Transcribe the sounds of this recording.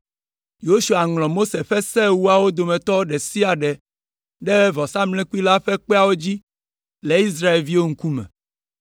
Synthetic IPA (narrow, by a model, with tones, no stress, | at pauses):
jo˦ʃu˨a˨ŋlɔ̃˨mo˦se˨ɸɛ˦sɛ˦wu˦a˨wo˦d̪o˨mẽ˨t̪ɔ˦ɖe˨si˦a˨ɖeɛ˨ | ɖe˦vɔ˨sa˦mlɛ̃˦ku˦i˦la˦ɸe˦k͡pe˦a˨wo˦d͡ʑi˦ | le˨i˦s̬ɾa˦e˨lvi˦wo˦ŋ̩˦ku˦mɛ̰̃˨